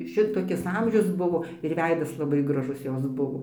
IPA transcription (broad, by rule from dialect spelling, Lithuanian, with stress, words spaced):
ˈʃʲɪtoːkʲɪs ˈɐmʲʒʲʊs ˈbʊʋoː ɪr ˈʋʲɛɪdɐs lˠɐˈbɐɪ ɡrɐˈʒʊs ˈjoːs ˈbʊʋoː